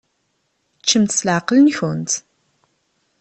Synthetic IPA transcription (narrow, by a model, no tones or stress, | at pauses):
t͡ʃːəmt̪slʕqlənçʊnt̪